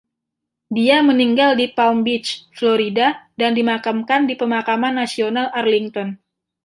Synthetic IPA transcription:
diaməniŋɡaldipaumbɪt͡ʃfloɾidadandimakamkandipəmakamanːasionalʔarliŋt̪ɔn

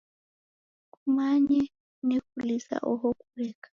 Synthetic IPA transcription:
kumaɲɛ | nikulisa̰ʔɔɦɔkuɾɛkḁ

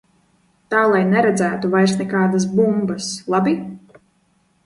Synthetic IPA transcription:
t̪aːlˠajnɛɾɛd̪zæːt̪uvajɾsnʲɛkaːd̪as̬bumbaslˠabi

